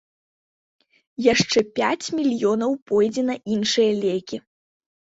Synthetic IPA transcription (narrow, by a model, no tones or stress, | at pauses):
jaʂt͡ʂɛpʲat͡sʲmʲilʲjɔnɐwpɔjd͡zʲɛnɐʔinʂɨjɐlʲejkʲi